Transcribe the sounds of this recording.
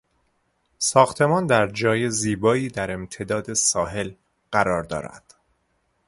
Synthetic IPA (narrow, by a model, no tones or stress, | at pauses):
sɒːxt̪ʰe̞mɒːnd̪æɾd͡ʒɒːjeziːbɒːiːd̪æɾe̞mt̪ʰe̞d̪ɒːd̪e̞sɒːɦe̞l | ɢ̥æɾɒːɾd̪ɒ̰ːɾæ̰d̪̥